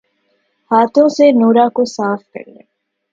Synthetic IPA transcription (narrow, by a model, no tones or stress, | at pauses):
haːt̪ʰõːsenuːɾaːkosaːfkɐ̰ɾlḛ